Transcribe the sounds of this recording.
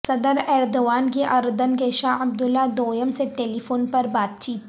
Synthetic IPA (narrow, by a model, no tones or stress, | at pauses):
sɐd̪əɾɛːɾd̪oʋaːnkeʔɐɾd̪ənkeːʃaɐb̚d̪ʊlːad̪oːjəmseʈeːlifoːnpɐɾbaːt̪̚t͡ʃiːt̪